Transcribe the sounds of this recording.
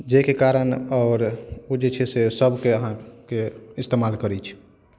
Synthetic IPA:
d͡ʒekekaɾənɔːɾod͡ʒet͡ʃʰɛsesəbʱkeəɦãkeist̪emalkəɾɛt͡ʃʰ

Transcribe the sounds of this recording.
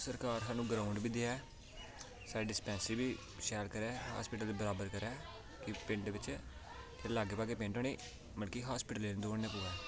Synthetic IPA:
səɾkaːɾɦaːnũːɡɾãːʊɳɖbiːd̪eːɛː | saːɾeːɖɪspɛ̃ːnsɪbiː | ʃɛːlkəɾɛːɦa̰ːspɪːʈəld̪eːbəɾaːbəɾkəɾɛː | kɪpɪ̃ɳʈʋɪt͡ʃ | elaːɡeːpaːkeːpẽɳʈoːniː | mənkiːɦaːspiːʈəlːeːnd̪oːɳneːpuːʋɛ̃ː

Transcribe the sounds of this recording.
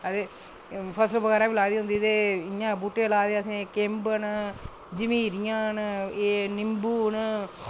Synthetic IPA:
ɐd̪e | pʰɐsʈbɐɡaːɾãːbilaːd̪iɦund̪id̪eiɲãːbuʈːelaːd̪eɐsẽkembən | d͡ʒimiːɾjãːnɨenimbuːn

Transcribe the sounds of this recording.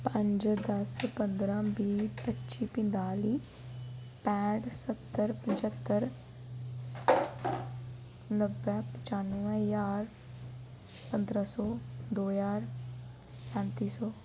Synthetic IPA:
pə̃ɲd͡ʒd̪əspənd̪ɾãːbiːpətːʃiːpɪ̃nd̪aːliː | pɛ̃ːʈsət̪ːəɾpəɲt͡ʃət̪ːəɾ | nəbɛpət͡ʃaːnuə̃jaːɾ | pənd̪ɾãsɔːd̪oːjaːɾ | pɛ̃ːnt̪iːsɔː

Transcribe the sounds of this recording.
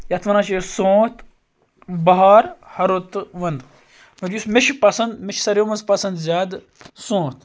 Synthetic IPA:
jɐt̪ʰʋɐnaːt͡ʃesõːt̪ʰ | bɐɦaːɾhɐɾot̪ʋɐnd̪ | mɐɾjusmeʃʰpɐsɐnd̪meʃʰsɐɾʲjoːmɐnzpɐsɐnd̪zʲjaːd̪ | sõːt̪

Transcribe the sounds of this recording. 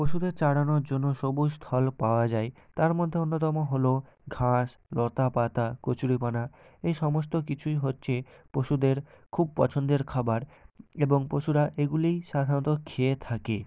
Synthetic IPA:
pɾoʃud̪eɾt͡ɕaɽanoɾd͡ʑonːoʃobust̪ʰɔlpaoad͡ʑaet̪aɾmod̪ʱːeonːot̪ɔmoɦolo | ɡʱãʃlɔt̪apat̪akot͡ɕuɽipanaejʃɔmos̬t̪okit͡ɕʰujɦotːɕʰepɾoʃud̪eɾkʰub̚pɔ̰t͡ɕʰond̪eɾkʰabaɾeboŋpɾoʃuɾaʔeɡulijʃad̪ʱanot̪okʰeet̪ʰake

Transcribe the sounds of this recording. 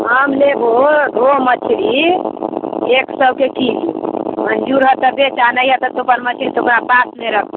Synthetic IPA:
ɦəmlebʱoɾoɦmət͡ʃʰɾi | eksəbʱkekid͡ʒuməɲd͡ʒuɾɦət̪əbet͡ʃanəjat̪ət̪opənmət͡ʃʰɾit̪oknapasneɾək̚ʰt̪

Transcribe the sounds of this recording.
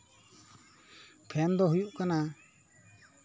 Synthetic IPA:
pʰɛmd̪ɔɦujuʔkana

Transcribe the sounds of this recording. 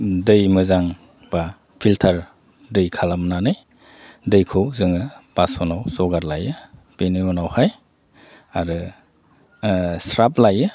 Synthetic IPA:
dɯjmɯzaŋ | b̥a | pʰiltʰaɾ | dɯjkʰalamnanɯj | dɯjkʰɯwzɯŋɯb̥asɔnawsɔɡaɾlajɯpeniɔnawhaj | aɾɯ | sɾaplajɯ

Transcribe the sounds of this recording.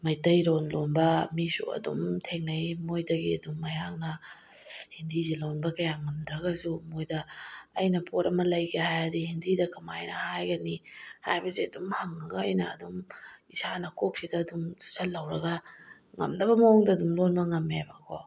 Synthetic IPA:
mɐjtɐjɾonlonbɐmisṵɐ̰dṵmtʰeŋnɐjmojdɐɡiɐ̰dumːɐjaŋnɐ | hindizilonbɐkɐjaŋɐmd̪ɾɐɡɐsumojdɐːjnɐpʰot̚ɐmɐlɐjɡehajadihindidɐkɐmajnɐhajɡɐniha̰jbɐziɐdumhaŋːɐɡɐːjnɐ̰ːdumisanɐkok̚sidɐːdumu̥salɐwɾɐɡɐ | ŋɐ̰mnɐbɐmɐɔŋdɐːdumlonbɐŋɐmːebɐkʰo

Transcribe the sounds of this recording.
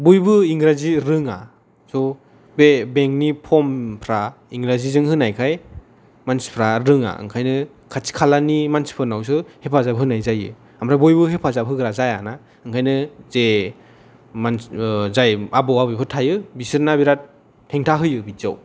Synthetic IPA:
bujbɯiŋɡɾaziɾɯŋa | sɔ | bebeŋk̚nipʰɔmpʰɾa | iŋɡɾazizɯŋhɯnajkʰaj | mansi̥pʰɾaɾɯŋa̰ɯ̰ŋkʰajnɯ | kʰat͡ʃi̥kʰalanimansi̥pʰɯnaws̬ɯhepʰazabɦɯnajzajɯ̰ | amɾabujbɯɦepʰazabɦɯɡɾazajana | ɯŋkʰajnɯze | manzajabɔwabɯjpʰɯtʰajɯbisɯɾnabiɾat̚ʰː | eŋtʰaɦɯjɯbiza̰w

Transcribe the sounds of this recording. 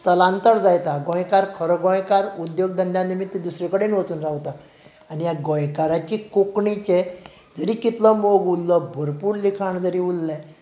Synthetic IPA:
t̪əlant̪əɾd͡zajt̪aɡɔ̃jkaɾkʰəɾɔɡɔ̃jkaɾud̪joɡ̚d̪ənd̪janimit̪ːid̪usɾikəɽenʋət͡suːnɾawt̪a | anijaɡɔ̃jkaɾat͡ɕikokɳit͡ɕe | d͡zəɾikit̪lɔmoɡulːɔbʱəɾpuːɾlikʰaɳd͡zəɾiulːɛ

